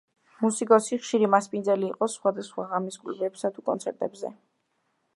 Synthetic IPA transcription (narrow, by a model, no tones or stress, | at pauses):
musikʼɔsiχʃiɾimaspʼind̪zɛliːqʼɔsχwad̪asχwaʁamiskʼlɛbɛbsat̪ʰukʼɔnt̪sʰɛɾt̪ʼɛbzɛ̰